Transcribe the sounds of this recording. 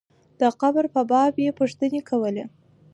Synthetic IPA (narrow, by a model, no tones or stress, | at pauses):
d̪̥əqabɾpəbɑbjepuʂt̪ənekʰawəle